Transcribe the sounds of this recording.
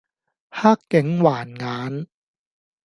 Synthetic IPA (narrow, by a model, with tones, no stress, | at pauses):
hʰaː˥˩kːɛ˦˥ŋwaː˨˩nŋaː˦˥n